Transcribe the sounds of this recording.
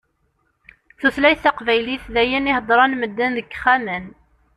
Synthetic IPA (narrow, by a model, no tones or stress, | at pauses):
θuθlæjθɑqvæjliθðæjænihəd̪ˤɾˤɑnməd̪ːænðəkːχæmæn